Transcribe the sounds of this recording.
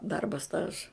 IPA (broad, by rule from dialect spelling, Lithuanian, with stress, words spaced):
ˈdɐrbɐ ˈstɑːʒɐ